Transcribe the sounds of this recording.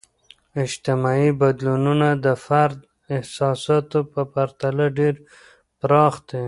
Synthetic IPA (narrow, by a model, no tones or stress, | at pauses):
ɪd͡ʒt̪ɪmɑibad̪lununad̪əfaɾd̪ | ɪhsɑsɑt̪opəpaɾt̪alaɖeɾ | pɾɑxd̪e